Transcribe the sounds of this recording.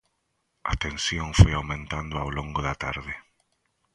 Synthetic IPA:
a̰t̪ensjoŋfojawmẽnt̪and̪ʊawloŋɡʊðat̪a̰ɾðɪ

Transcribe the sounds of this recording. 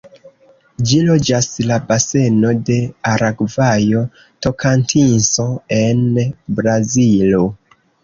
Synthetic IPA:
d͡ʒilo̞d͡ʒaslabase̞no̞de̞aɾaɡvajo̞ | to̞kʰantʰinso̞e̞nbɾazilo

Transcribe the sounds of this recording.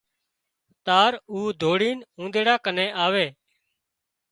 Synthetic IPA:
t̪aːɾuːd̪ʱoːɽiːnũːnd̪eːɽaːkəneːʔaːʋeː

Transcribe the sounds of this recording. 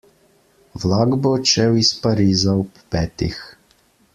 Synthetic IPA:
wlaɡbɔːt͡ʃɛwispaɾiːzaɔpːɛːt̪ḭx

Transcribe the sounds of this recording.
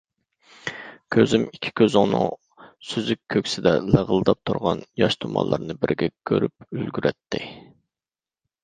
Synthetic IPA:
kʲʰøzymikʲʰːi̥kʲʰøzɪŋnɨ̰ŋ | syzykʲʰːøkʲsɪd̪ɛləʁəlˠɨd̪ɑp̚t̪ʰuɾʁɑnjɑʃt̪ʰumɑ̰lˠːɑɾnɨbɪɾɡʲɛkʲʰøɾyp̚ylɡʲyɾʔɛt̪ʰːɪ

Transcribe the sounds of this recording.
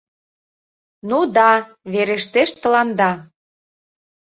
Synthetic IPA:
nud̪ɑ | βeɾeʃt̪eʃt̪ə̆lɑnd̪ɑ

